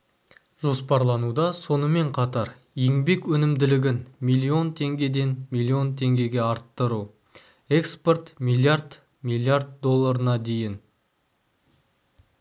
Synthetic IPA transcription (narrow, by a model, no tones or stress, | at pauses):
ʒ̥o̞spɑɾlˠɑnud̪ɑso̞nəme̞ɴqʰɑt̪ɑɾ | jeŋbe̞kwɵnɪmd̪ɪlɪɡʲɪnmijlʲˠːio̞nt̪ʰe̞ŋɡʲe̞d̪e̞nmijlʲːˠio̞nt̪ʰe̞ŋɡʲe̞ɡʲe̞ɑɾt̪ːəɾu | e̞kspo̞rt̪mijlˠijaɾd̪ | milˠiard̪̚d̪o̞lˠːaɾənɑd̪e̞jɪn